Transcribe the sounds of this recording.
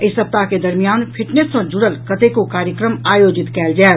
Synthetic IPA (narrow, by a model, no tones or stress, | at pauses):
ɪsəp̚t̪aked̪ɐɾmijaːnpʰɪʈnesːõd͡ʒʊɽəlkɐt̪ekokaːɾjəkɾəmaːjoːd͡ʒɪt̪kɛːld͡ʒaː